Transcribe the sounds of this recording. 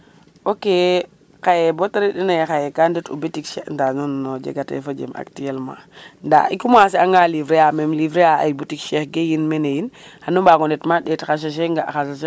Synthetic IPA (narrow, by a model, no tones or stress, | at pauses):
oke | kajebotaɾiɗinajxajekanditṵbetikʃendanonnod͡ʒḛɡatḛfod͡ʒḛmʔa̰ktijelma̰nda̰ikumasiaŋɡalivɾeamemlivɾeaa̰jbutikʃexɡejinmenejinhanumbaɡonetmaɗetxaʃ̬aʃ̬eŋɡaxas̬aʃe